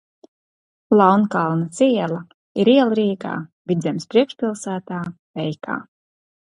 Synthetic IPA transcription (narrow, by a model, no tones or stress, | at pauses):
lˠɑwnkalˠnat̪sʲiɛlˠa | iɾiɛlˠɾiːɡa̰ːbʲit̪d̪zɛmspɾiɛkʃpʲilˠsæːt̪aː | vɛjka̰ː